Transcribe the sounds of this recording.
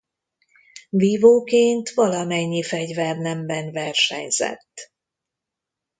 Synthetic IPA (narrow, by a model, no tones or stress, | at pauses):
viːvoːkeːnt̪ʋɒlɒmɛɲːifɛɟvɛrnɛmbɛnvɛrʃɛ̰ɲzɛ̰t̪ː